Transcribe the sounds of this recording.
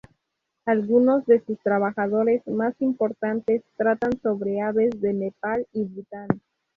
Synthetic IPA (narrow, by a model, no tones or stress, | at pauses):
alɣuno̞zðe̞sust̪ɾaβaxaðo̞ɾe̞zmasimpo̞ɾt̪ant̪e̞st̪ɾat̪anso̞βɾeaβe̞zðe̞ne̞paliβit̪an